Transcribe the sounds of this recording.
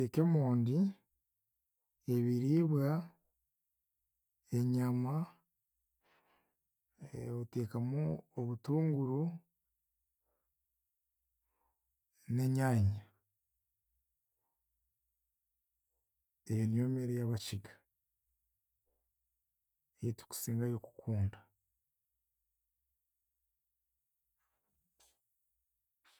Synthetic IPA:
ekemoːndi | e̞βiɾiβwa | e̞ɲama | ote̞ːkamuoβutuːŋɡuɾu | ne̞ɲaɲa | enjomeɾejaβaciɡa | ejitu̥ku̥siːŋɡajoku̥kʰuːnda

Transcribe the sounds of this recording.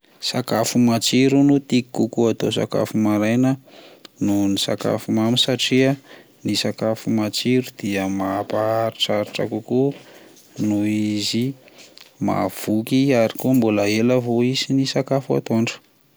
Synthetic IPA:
sakafumat͡ʃiɾunut̪ikikukuat̪osa̰ka̰fumaɾajnənunisa̰ka̰fumamisaʈ͡ʂiə | nisakafumat͡ʃiɾud̪̥iəmapaaɾiʈ͡ʂaɾiʈ͡ʂa̰kuku | nuizi | ma̰v̥ukiaɾikumbulaeləvoizinisakafua̰t̪oɳɖ͡ʐə̥

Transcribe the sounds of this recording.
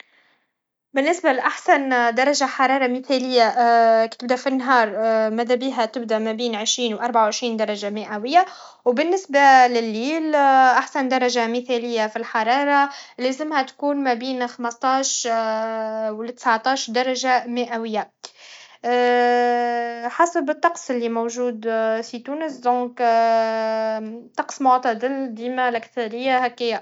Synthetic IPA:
bɪnːɪsbalʔaħsand̪ɑɾˤɑʒaħɑɾˤɑːɾˤɑmɪθælɪjːakt̪ɪb̚d̪æfinːɦɑːɾˤmæðæbiːɦæt̪ɪb̚d̪æmæbiːnʕɪʃɾiːnwʔɑɾˤbaʕawʕɪʃɾiːnd̪ɑɾˤɑʒamɪʔæwɪjːa | wbɪnːɪsbalɪlːiːlʔaħsand̪ɑɾˤɑʒamɪθælɪjːafilħɑɾˤɑːɾˤɑlæːzɪmhæt̪kuːnmæbiːnxɑməst̪ˤɑːʃ | wlt̪ə̥sʕt̪ˤɑːʃd̪ɑɾˤɑʒamɪʔæwɪjːa | ħasəbɪt̪ˤːɑqsˤɪlːimowʒuːd̪fit̪uːnəsd̪õːk | t̪ːˤɑqsmʊʕt̪ˤɑd̪ɪld̪iːmalʔækθɑɾɪjːahækːɪjːa

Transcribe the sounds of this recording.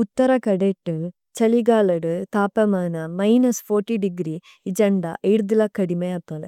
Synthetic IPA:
ut̪ːɐɾɐkɐɽeʈːɨ | t͡ʃɐliɡaːlɐɽɯt̪aːpɐmaːnɐmɐjnɐsfoːɾʈːiɖiɡɾi | id͡ʒɐɳɖa̰ʔeɽd̪ilɐkɐɽimeɐp̪ːɐlɐ

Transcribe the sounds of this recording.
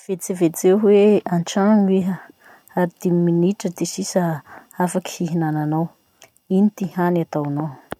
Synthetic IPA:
v̥et͡sevet͡sewɦweanʈ͡ʂaŋiɦə | aɾid̪̥eminiʈ͡ʂəd̪esisə | afaki̥hiɦinananaw | init̪ihanat̪awnaw

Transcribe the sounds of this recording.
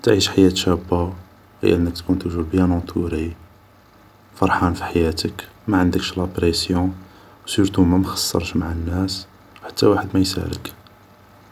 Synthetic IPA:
t̪ʕiʃħajæt̪ʃæbːa | hḭʔənːək̚t̪kunt̪uwʒubjænɑ̃t̪ʰuɾi | fɑɾˤħɑnfi̥ħajæt̪əkmæʕənd̪əkʃlɑpɾesjɔ̃ | wsuɾt̪umæmxɑ̥sˤːɑ̰ɾˤʃmaʕanːæs | wħḁt̪ːæwaħəd̪mæjsæ̰lə̰k

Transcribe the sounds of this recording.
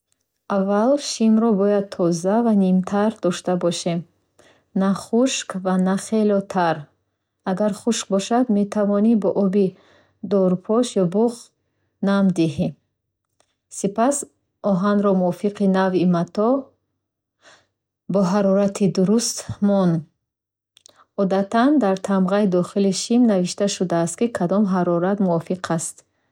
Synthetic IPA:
ʔavːalʃimɾɔbɔjad̪̚t̪ʰɔzavanimt̪ʰaɾd̪ɔʃt̪abɔʃem | naχuʃkvanaχelɔt̪ʰaɾ | aɡaɾχuʃk̚bɔʃad̪met̪ʰavɔnibɔʔɔbi | d̪ɔɾpʰɔʃjɔbuχ | namd̪iɦim | sipas | ʔɔɦanɾɔmuɔfiqʰinavimat̪ʰɔ | bɔɦaɾɔɾat̪ʰid̪uɾust̪mɔn | ɔd̪at̪ʰand̪aɾt̪ʰamʁaid̪ɔχiliʃimnaviʃt̪aʃud̪aːst̪̚kikʰad̪ɔmɦaɾɔɾat̪muɔfiqʰast̪

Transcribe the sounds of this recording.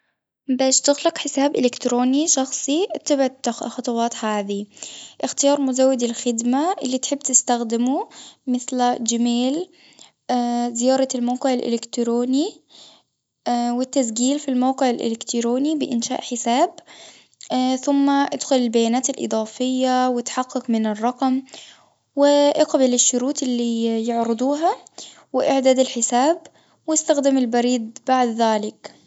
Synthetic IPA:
baːʃt̪ɪɣlɪqħɪsaːbʔɪlɪkt̪ɾoːniʃɑxsˤit̪ːabʕxɑt̪ˤɑwɑːt̪haːðiʔɪxt̪ɪjɑːɾˤmʊzawːɪd̪ɪlxɪd̪maʔɪlːit̪ħɪbːt̪ɪst̪axd̪ɪmumɪθld͡ʒamaːl | zɪjɑːɾˤɑlmawqɪʕɪlʔɪ̰lɪkt̪ɾoːni | wɪt̪ːasɡiːlfilmawqɪʕɪlʔɪ̰lɪkt̪ɾoːnibɪʔɪnʃa̰ːʔħɪsaːb | θʊmːaʔad̪xʊlɪlbajaːnaːt̪ɪlʔɨ̰d̪ˤɑːfɪjːawɪt̪ħɑqːɑqmɪnɪrˤːɑqm | wɪʔɪqbɪlɪʃːʊɾuːt̪ɪlːijɪʕɾɪd̪ˤuːɦa | wɪʔɪʕd̪aːd̪ɪlħɪsaːb | wɪst̪axd̪ɪmɪlbɑɾiːd̪̚baʕd̪ðaːlɪk

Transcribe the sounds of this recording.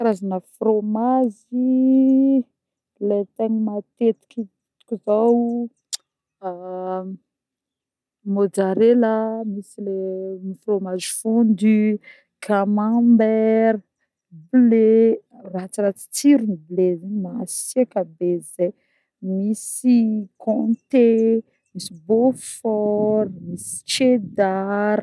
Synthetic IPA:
ɾazanəfromazi | let̪eɲimat̪et̪i̥kit̪ | t̪u̥kʲizaw | mod͡ʒaɾelamisilemifromazifund̪y | kamãmbɛɾə | ble | rat͡siɾat͡si̥t͡siɾimiblezaɲmasiakabeze | misikʰɔ̃t̪e | misibofɔɾmisi̥t͡ʃed̪aɾ

